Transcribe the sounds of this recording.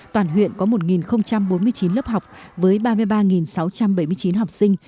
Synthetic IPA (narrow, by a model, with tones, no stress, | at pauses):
t̪waː˨˩nɦwḭ˧˨ənkɔ˨˦mo˨˩t̚ŋi˨˩nxə˧wŋ͡mt͡ɕa˧mɓo˨˦nmɨ˧ət͡ɕi˨˦nlə˦˥p̚ha˨˩wk͡p̚vəː˨˦jɓaː˧mɨ˧əjɓaː˧ŋi˨˩nsa˨˦wt͡ɕa˧mɓə˧˩jmɨ˧ət͡ɕi˨˦nɦa˨˩wk͡p̚sï˧ŋ̟